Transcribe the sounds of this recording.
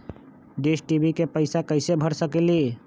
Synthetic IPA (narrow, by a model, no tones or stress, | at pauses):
d̪eːʃʈibikepəɪsakəɪsebʱəɾsəkeli